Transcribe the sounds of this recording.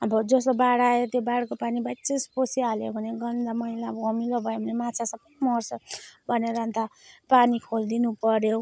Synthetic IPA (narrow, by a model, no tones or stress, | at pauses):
ʌbʌd͡zʌsobaɽaet̪ebaɽkopanibat͡sesposialjobʱʌneɡʌnd̪amʌilabʌmilobʱʌebʱʌnemat͡sʰasʌbʌjmʌrsʌbʱʌneɾant̪apanikʰold̪inupʌɾjo